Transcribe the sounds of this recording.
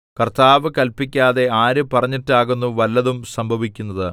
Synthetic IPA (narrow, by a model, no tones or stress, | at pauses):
kɐrt̪aːʋɨkɐlpikʲːaːðe̞aːɾɨpɐrɐɲːitːaːɣunːuʋɐlːɐðumsɐmbʱɐʋikʲːunːɐðɨ